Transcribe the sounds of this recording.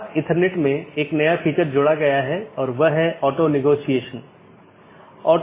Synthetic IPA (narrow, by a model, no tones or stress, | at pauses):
t̪ɪ̃nʈʰəɾneʈmẽeːknɐjapʰiːt͡ʃəɾd͡ʒʊɽaɡɐjaɦɛɔːɾʋɐɦɛɔːʈonɪɡoːsijeːʃən | ɔːʈ